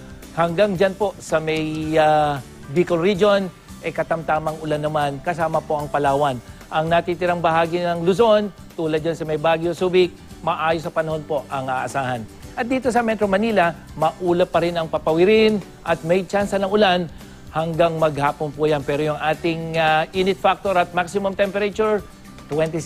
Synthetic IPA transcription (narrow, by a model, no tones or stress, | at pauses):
hɐŋɡaŋd͡ʒanpo̞sɐmɐja | bikolɾid͡ʒon | ʔɐjkɐt̪ɐmt̪aːmɐŋʔʊlanːɐmankɐsaːmɐpo̞ʔɐŋpɐlaːwɐnʔɐŋnɐt̪it̪ɪɾaŋbɐhaːɡɪnɐŋlʊso̞n | t̪uːlɐd̪̚d͡ʒɐnsɐmɐjbaːɡjosuːbɪk̚ | mɐʔaːjosɐpɐnɐho̞npo̞ʔʔɐŋaʔɐsaːhɐnʔɐt̪̚d̪iːt̪o̞sɐmɛt̪ɾomɐniːlɐ | mɐʔuːlɐpɐɾɪnɐŋpɐpɐwɪɾɪn | ʔɐt̪̚mɛjt͡ʃansɐnɐŋʊlan | hɐŋɡaŋmɐɡ̚haːponpʊjɐnpɛːɾojʊŋʔaːt̪ɪŋaʔinɪt̪̚fak̚t̪oɾɐt̪̚maksɪmomt̪ɛmpɛɾɐt͡ʃuɹ | t̪wɛnt̪i